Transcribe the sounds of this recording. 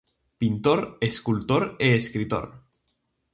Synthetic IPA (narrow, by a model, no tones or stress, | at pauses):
pint̪oɾeskult̪oɾeːskɾit̪o̰ɾ